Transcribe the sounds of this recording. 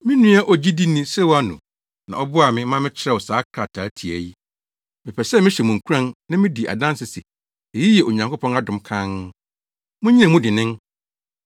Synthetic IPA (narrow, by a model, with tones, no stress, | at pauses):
mɪ̃˦nũ˦a˦ʔɔ˨d͡ʑi˦di˦nĩ˦sɛ˦wa˦nʊ̰̃˨ | nã̰˨ʔɔ˦bʊ˦a˨mɪ̃˦mã˦mɪ̃˦t͡ɕʰɪ˦ɾɛ˦˨wɔ˨saː˨˦kʰɾa˨tʰaː˨˦tʰi˨æ˨ji˦ | mɪ̃˨pʰɛ˨sɛ˦mɪ̃˦ɕɛ˨mũ˨ŋ̩˨kʰu˦ɾã˦nnã˦mɪ̃˦di˨ʔa̰˨dã˦n˦sɪ˨si˨ | e˨ji˦jɛ˨ʔo˨ɲã˨ŋko˦pʰɔ̃˦na˦dʊ̃˨mkʰã˦n | mʊ̃˦ɲĩ˦ã˨mʊ̃˦dɪ˨nɪ̃˦n